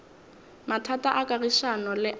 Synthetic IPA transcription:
matʰataʔakʼariʃanɔlɪʔ

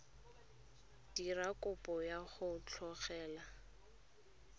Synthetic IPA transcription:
d̥irakʼʊpʼɔjaχʊt͡ɬʰɔχɛːla

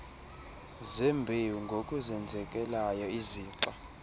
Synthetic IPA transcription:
zɛmbʱewuŋɡʱokʼuzɛnd͡zʱɛkʼɛlajɔiziːǁa

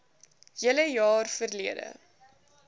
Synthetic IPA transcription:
jələjɑːrfərliədə̰

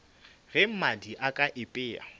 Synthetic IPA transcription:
ɣɛm̩madiʔakʼaʔɪpʼɪːa̰

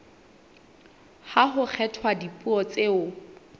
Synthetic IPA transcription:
haɦʊk͡xʰɛtʰwadipʼuɔt͡seʊ

